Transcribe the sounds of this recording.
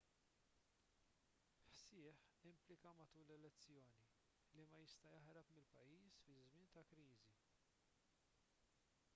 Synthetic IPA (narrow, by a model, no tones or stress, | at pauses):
ħsɪːħɪmplɪkɐmɐt̪uːlɛlɛt͡sːjɔːni | limɐjɪst̪ɐjɐħɾɐpmɪlpɐjːiːsfɪzmɪːnt̪ɐkɾiːzi